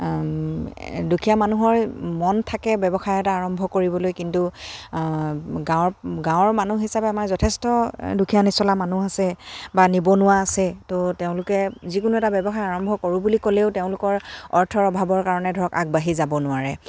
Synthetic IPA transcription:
dukʰijamanuɦɔɹmɔntʰakɛbɛbɔxajɛtaːɹɔmbʱɔkoɹibɔlojkintu | ɡãɡãw̃ɔɹmanuɦisapɛamaɹzɔtʰɛstɔdukʰijanisɔlamanuasɛbanibɔnʊwaːsɛtoteʊ̃lʊkɛzikʊnuɛtabɛbɔxajaɹɔmbʱɔkoɹʊbulikoleʊteʊ̃lʊkɔɹɔɹtʰɔɹɔbʱabɔɹkaɹɔnɛdʱɔɹɔkaɡ̚baɦizabɔnʊaɹɛ

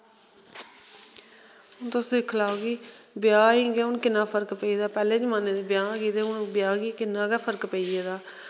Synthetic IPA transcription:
ʊnt̪ʊsd̪ɪkʰlaːoɡiːbjaːɦĩːɡeːʊnkɪnːaːpʰəɾkpəiːd̪aːpɛːleːd͡ʒəmãːned̪eːbjãːɡiːd̪eːʊnbɪjaːɡiːkɪnːãːɡɛːpʰəɾkpəiːeːd̪aː

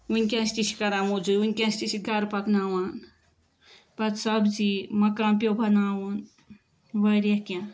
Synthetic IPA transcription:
unʲkʲãst̪it͡ʃʰi̥kɐɾaːmod͡ʒujunʲkʲãsʲt̪it͡ʃiɡɐɾpɐknaːwan | pɐt̪sɐbd͡ʒimɐkãmpjobʱɐnaːwun | ʋɐɾjakʲã

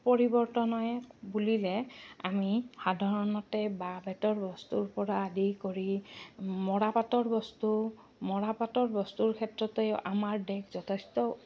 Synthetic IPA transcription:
pɔɹibɔɹtɔnɔjbulilɛamixadʱaɹɔnɔtɛbabɛtɔɹbɔst̪uɹpɔɹaːdikoɹi | mɔɹapatɔɹbɔstu | mɔɹapatɔɹbɔstuɹkʰɛtɹɔtejʔamaɹdɛkzɔtʰestɔ

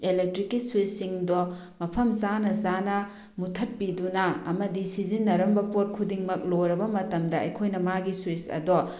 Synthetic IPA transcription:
elek̚tɾikːiswisːiŋdo | mɐpʰɐmzanɐzanɐ | mutʰɐpːidunɐɐmɐdisizinːɐɾɐmbɐpoɾ̚kʰudiŋmɐk̚loɾɐbɐmɐtɐmdɐɐ̰jkʰojnɐmaɡiswisɐ̰do

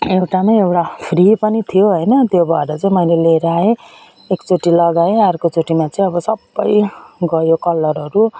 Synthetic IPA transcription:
ewʈamaewʈapʰripʌnit̪ʰijoɦʌjnʌt̪jobʱʌeɾʌt͡sʌĩmʌjleleɾae | ekt͡soʈilʌɡaeaɾkot͡soʈimat͡sʌĩʌbʌsʌbːʌjɡʌjokʌlːʌɾʌɾu

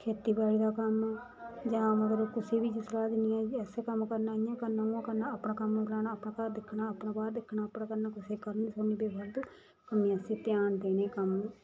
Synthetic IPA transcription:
kʰeːt̪iːbaːliːd̪aːkəmː | d͡ʒãːməɡəɾkɪseːbiːd͡ʒɪsɾaːd̪ɪniːɛ̃ːɛsekəmkəɾnaːɪãːkəɾnãːũkəɾnaːəpɳãːkəmːõːklaːnaːpɳãːkaːɾd̪ɪkʰːnaːəpnãːbaːɾd̪ɪkʰnaːəpɳaːkəɾnaːkɪseːkəɾniːsoniːbebəɾd̪uː | kəmiːɛseːt̪ɪjaːnd̪eːneːkəmː

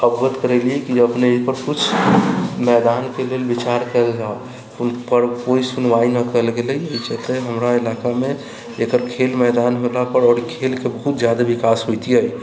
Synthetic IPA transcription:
əbɡət̪kəɾɛliɛkiəpnepəɾkut͡ʃʰ | mɛd̪ankelelbit͡ʃaɾkəld͡ʒao | unpəɾkoisunʋainəkəlɡelɛt͡ʃt̪eɦəmɾaelakameː | kəɾkʰelmɛd̪anɦolapəɾɔːɾkʰelkebəɦut̪̚d͡ʒjad̪aʋikasɦojt̪iəj

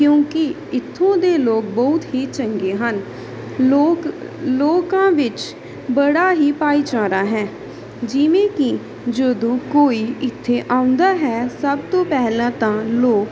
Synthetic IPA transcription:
kjõːkɪ | ɪt̪ʰːõːd̪eːloːk̚bɔʊt̪ɦiːt͡ʃəŋɡeːɦən | oːk | loːkãːʋɪt͡ʃ | bəɽaːɦiːpaːiːt͡ʃaːɾaːɦɛː | d͡ʒɪʋẽːki | d͡ʒod̪õːkoːiːʔɪt̪ʰːeːʔaːʊ̃nd̪aːɦɛːsəbt̪õːpɛɦlãːt̪ãːloːk

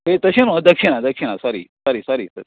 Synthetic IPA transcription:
et̪əɕẽnod̪əkɕinad̪əkɕinasɔɾḭːsaɾiːsaɾiːsaɾi

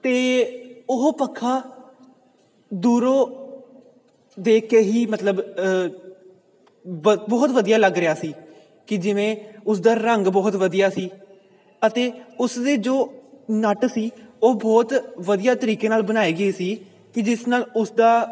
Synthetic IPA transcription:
t̪eːʊɦpəkʰːãː | d̪uːɾõː | d̪eːkeːɦiːmət̪ləb | bɔːt̪ʋəd̪ijaːləɡɾɪjaːsiː | kɪd͡ʒɪʋẽːʊsd̪aːɾəŋɡbɔːt̪ʋəd̪ijaːsiː | ət̪eːʊsd̪eːd͡ʒoːnəʈsiːoːbɔːt̪ʋəd̪ijaːt̪əɾiːkeːnaːlbənaːeːɡəeːsiː | kɪd͡ʒɪsnaːlʊsd̪aː

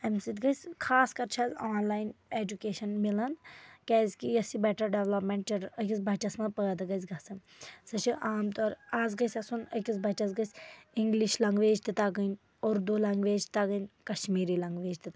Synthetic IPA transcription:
ɐmsit̪ɡɐsʲkʰaːskɐɾt͡ʃʰaːzaːnlaːineːd͡ʒukeːʃɐnmilɐnkʲɛːzkijɐsibɛʈɐɾɖeʋlɐpmẽɳʈ̚t͡ʃɐɾɐkʲisbʱɐt͡ʃɐsmɐ̃pəːd̪ɐɡɐz̬ʲɡɐsɨn | sɐt͡ʃʰiʔaːmt̪oːɾaːzɡɐsʲɐsunəkʲisbʱɐt͡ʃɐsɡɐsʲiŋɡliʃlɐŋɡʋeːd͡ʒt̪it̪aɡən | oːɾd̪oːlɐŋɡʋeːd͡ʒt̪aɡənʲkɐʃmiːɾiːlɐŋɡʋeːd͡ʒt̪it̪

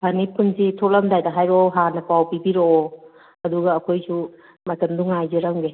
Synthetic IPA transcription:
banipunsitʰɔlamdajdaɦajɾɔɦanɐpawpibiɾoː | ɐduɡɐːkʰojsu | matɐmduŋajzeɾaŋɡe

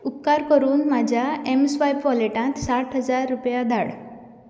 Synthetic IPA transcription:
up̚kaɾkəɾuːnmad͡ʑʱjaemsʋajpʋɔleʈãt̪saʈʰɦəd͡zaɾːupjad̪ʱaɽ

